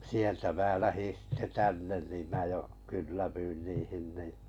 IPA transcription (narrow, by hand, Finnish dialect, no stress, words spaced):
sieltæ mæː læhin̞ sitːe tænːen nim mæː jo kylːæʋyin niːhin ni